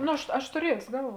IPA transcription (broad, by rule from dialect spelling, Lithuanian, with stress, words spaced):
ˈnoː ɐʃ ˈɐʃ tʊˈrʲiɛsʲoː ˈɡɐlˠˌʋuɔ